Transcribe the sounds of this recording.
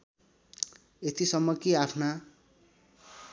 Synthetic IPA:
et̪isʌmːʌkiapʰna

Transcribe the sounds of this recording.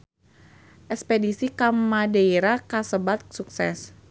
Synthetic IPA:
ʔɛkspedisikamadeiɾakasəbat̪̚suksɛs

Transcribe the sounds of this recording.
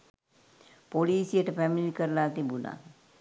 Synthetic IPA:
poliːsijəʈəpæmilikəɾəlaːt̪ibuna̰

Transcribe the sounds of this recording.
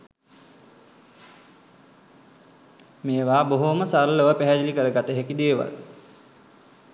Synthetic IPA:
meːʋaːboɦoməsalːəʋəpæɦæd͡ʒilikəɾəɡat̪əɦekid̪eːʋa̰l

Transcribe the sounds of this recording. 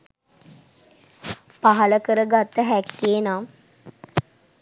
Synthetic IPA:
paɦaləkəɾəɡat̪ːəɦækːienaː

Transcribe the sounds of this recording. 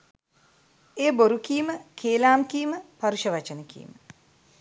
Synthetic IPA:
eːboɾukijməkʰeːlaːmkijməpɐɾuʃɐʋɐt͡ʃɐnəkḭj̰mə

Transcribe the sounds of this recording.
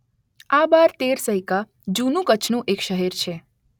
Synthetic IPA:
abaɾt̪eɾsəɦika | d͡ʒunũkət͡ʃʰnũʔekʃəɦɛɾt͡ʃʰe

